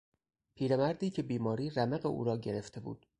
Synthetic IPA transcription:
pʰiːɾemæɾd̪iːcʰe̞biːmɒːɾiːɾæmeɣeʔṵːɾɒːɟe̞ɾe̞ft̪ʰe̞bṵːd̪̥

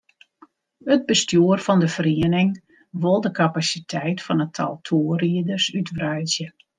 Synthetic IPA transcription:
həd̚bəstjuərfɔndəfriənɪŋ | ʋolˠdəkapasitʰɛjtfɔnətʰa̰lˠtʰoːəriədərsytʋrœjzjə

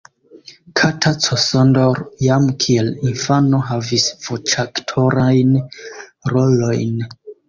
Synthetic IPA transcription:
kʰatʰat͡sosondoɾjamkʰielinfano̞ɦavisv̥ot͡ʃaktʰo̞ɾajn | ɾolo̞jn

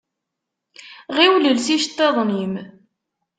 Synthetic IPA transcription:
ʁiwləlsiʃt̪ːeðˤnim

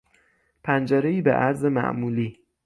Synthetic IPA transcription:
pʰænd͡ʒæɾeiːbḛʔæɾze̞mæ̰ʔmuːliː

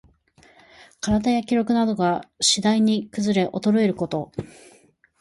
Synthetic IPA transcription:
kaɾad̪ajakʲiɾo̞kɯ̟nad̪o̞ɡaɕid̪aiɲ̟ikɯ̟zɨɾe̞ʔo̞t̪o̞ɾoeɾɯ̟ko̞t̪o̞

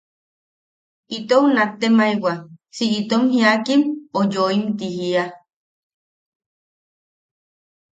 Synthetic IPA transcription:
it̪ownat̪ːemaiwasiʔit̪omhiakimojoimt̪ihia

